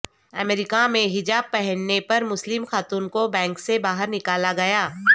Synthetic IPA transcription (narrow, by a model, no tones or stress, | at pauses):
ɐmeːɾɪkamẽɦɪd͡ʒaːb̚pɛɦɛnːepɐɾmʊslɪmxaːt̪uːnkobɛ̃ːŋksebaːɦəɾnɪkaːlaɡɐjaː